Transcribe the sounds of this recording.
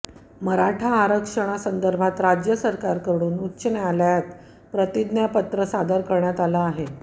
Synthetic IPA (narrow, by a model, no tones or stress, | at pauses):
məɾaʈʰaːɾəkʂəɽ̃asənd̪əɾbʱat̪ɾad͡ʑjəsəɾkaɾkəɾɽ̃uːnutːɕənealjat̪ | pɾət̪id̪njapət̪ɾəsad̪əɾkəɾɳjat̪alaːɦe